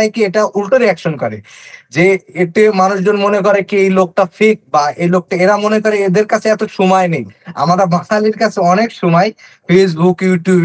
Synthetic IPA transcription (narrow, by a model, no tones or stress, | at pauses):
ajkieʈaulʈoɾiɛkʃonkɔɾḛd͡ʑeeʈemanuʃd͡ʑonmonek̬ɔɾekiejlok̚ʈafʰik̚baejlok̚ʈaeɾamonekɔɾeed̪eɾkat͡ɕʰeɛt̪oʃumajneja̰maɾamaʃaliɾkat͡ɕʰeɔnekʃumajfes̬bukjuʈjub